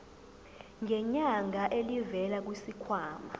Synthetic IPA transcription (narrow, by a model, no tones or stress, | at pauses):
ŋɛɲaŋaʔelivɛlak̬wisikʰwaːma